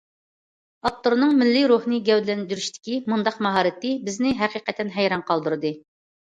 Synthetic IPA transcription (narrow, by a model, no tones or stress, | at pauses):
ɑp̚t̪oɾnɨŋmɪlːiɾuhnɨɡʲɛwd̪ɪlɛnd̪yɾyʃt̪ʰɪ̥kʲimund̪ɑqmɑɦɑːɾɨt̪ɨbɪznɪɦæqiqɛt̪ʰːɛnɦɛjɾɑɴqʰɑlˠd̪uɾɨd̪ɨ